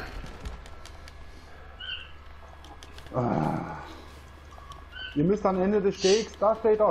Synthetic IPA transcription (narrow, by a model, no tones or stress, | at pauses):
ʔa̰ | ʔiːɐmʏstanɛndədɛsʃteːksd̥aːʃteːta